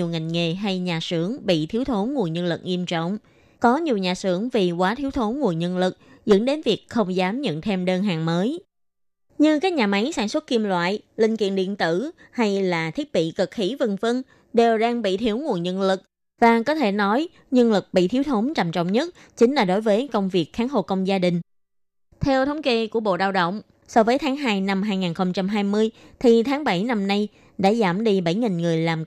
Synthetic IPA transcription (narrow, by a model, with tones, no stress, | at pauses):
ɲ˨˩əwŋa˨˩jŋŋe˨˩ɦa˧jɲaː˨˩sɨ˧˩əŋɓḭ˧˨t̪ʰi˨˦əwt̪ʰo˨˦nŋu˨˩ənɲə˧nlɨ̰˨˩k̚ʔi˧əmt͡ɕɔ̰˧˨wŋ͡m | kɔ˨˦ɲi˨˩əwɲaː˨˩sɨ˧˩əŋvi˨˩kwaː˨˦t̪ʰi˨˦əwt̪ʰo˨˦nŋu˨˩ənɲə˧nlɨ˨˩k̚zə̰˧˥nɗe˨˦nvi˨˩ək̚xə˧wŋ͡mzaː˨˦mɲə̰˧˨nt̪ʰe˧mɗəː˧nɦaː˨˩ŋməː˨˦j | ɲɨ˧kaː˦˥k̚ɲaː˨˩ma˨˦jsaː˧˩nswə˦˥t̚ki˧əmlwa̰ː˧˨jlï˧˩ŋ̟kḭ˧˨ənɗḭ˧˨ənt̪ɨ˧˩ha˧jlaː˨˩t̪ʰi˦˥ət̚ɓḭ˧˨kə˨˩k̚xi˧˦və˨˩ŋvə˧n | ɗe˨˩wɗaː˧ŋɓḭ˧˨t̪ʰi˨˦əwŋu˨˩ənɲə̰˧nlɨ˨˩k̚ | vaː˨˩kɔ˨˦t̪ʰe˧˩nɔ˨˦j | ɲə˧nlɨ˨˩k̚ɓḭ˧˨t̪ʰi˨˦wt̪ʰo˨˦mt͡ɕa˨˩mt͡ɕɔ̰˧˨wŋ͡mɲə˦˥t̚ | t͡ɕï˨˦ŋ̟laː˨˩ɗo˨˦jvəː˨˦jkə˧wŋ͡mvi˨˩ək̚xaː˨˦ŋɦo˨˩kə˧wŋ͡mzaː˧ɗï˨˩ŋ̟ | t̪ʰɛ˧wt̪ʰə˨˦wŋ͡mke˧ku˧˩əɓo̰˧˨ɗaː˧wɗə̰˧˨wŋ͡m | sɔ˧vəː˨˦jt̪ʰaː˨˦ŋɦaː˧jna˧mɦaː˧jŋaː˨˩nxə˧wŋ͡mt͡ɕa˧mɦaː˧jmɨ˧əjt̪ʰi˨˩t̪ʰaː˨˦ŋɓa˧˩jna˧mna˧j | ɗa̰ː˧˥zaː˧˩mɗi˧ɓa˧˩jŋi˨˩ŋŋɨ˨˩əjlaː˨˩m